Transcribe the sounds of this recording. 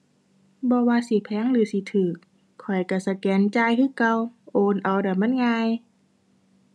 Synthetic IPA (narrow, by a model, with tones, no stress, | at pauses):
bɔː˧˦waː˧si˧˦pʰɛː˧˥˨ŋlɯː˧˦si˧˦t̪ʰɯː˨˩kʰː | ɔ˨˩jka˧˩sa˧˩kɛː˨˧˦nt͡ɕaː˧˨jkʰɯː˧˥˨ka˧wʔoː˧nʔa˨˩wda˨˩ma˧˥˨nŋaː˧j